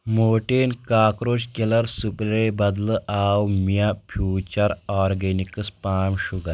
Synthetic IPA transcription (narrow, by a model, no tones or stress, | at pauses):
moʈenkaːkɾod͡ʑkelaɾsuplebɐd̪ləʔawmjãfʰjuːt͡ɕəɾɔɾɡenikəspaːmɕuɡa